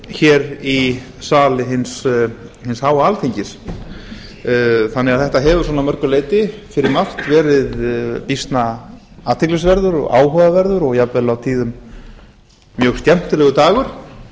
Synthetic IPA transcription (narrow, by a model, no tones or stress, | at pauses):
çɛɾi | saːlɪɦɪnshɪnshaːwaaːlt̪ʰiɲcɪs | θanːɛɣaðθɛht̪aɦɛːvʏ̥sɔːnamœɾkʏleːjt̪ɪfɪɾɪɾmal̥t̪vɛːɾɪðpist̪na | aːt̪ʰɛklisvɛɾðʏɾɔ̰ɣa̰ːwɦœːðavɛɾðʏɾɔɣjapvɛlawt̪ʰiːðʏm | mːjœɣst̪jɛm̥t̪ʏlɛɣʏt̪aːɣʏɾ̥